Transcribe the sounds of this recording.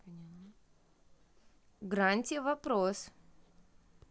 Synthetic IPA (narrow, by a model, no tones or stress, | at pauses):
pnʲan | ɡɾanʲtʲɪvɐpɾos